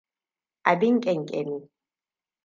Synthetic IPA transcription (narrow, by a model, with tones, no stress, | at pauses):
ʔa˨dɪ˦ŋkʲʼɛ˨ŋkʼɛ˨ni˦